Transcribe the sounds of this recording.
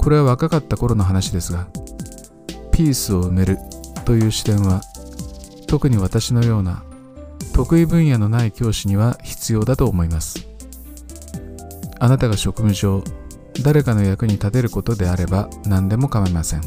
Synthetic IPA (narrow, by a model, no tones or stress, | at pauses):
ko̞ɾe̞βaβakakat̪ːako̞ɾo̞no̞ɦanaɕid̪e̞sɨɡa | pʲiːsɨo̞ɯ̟me̞ɾɯ̟t̪o̞jɯ̟ːɕi̥t̪ẽ̞ɰ̃βa | t̪o̞kɯ̟ɲ̟iβ̞at̪aɕino̞jo̞ːna | t̪o̞kɯ̟ibɯ̟̃ɰ̃jano̞naikʲo̞ːɕiɲ̟iβaçi̥t͡sɨjo̞ːd̪at̪o̞ːmo̞imasɨ̥ | anat̪aɡaɕo̞kɯ̟mɯ̟ʑo̞ː | d̪aɾe̞kano̞jakɯ̟ɲ̟it̪at̪e̞ɾɯ̟ko̞t̪o̞d̪e̞aɾe̞banãnd̪e̞mo̞kamaimasẽ̞ŋ